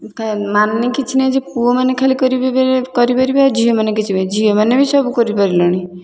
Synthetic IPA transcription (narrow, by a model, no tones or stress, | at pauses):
kʰamannikit͡ʃʰinɛd͡ʒepuomanekʰalikɔɾibebekɔɾipaɾibead͡ʒʱiomanekit͡ʃʰibed͡ʒʱiomanebisɔbukɔɾipaɾilɔɽ̃i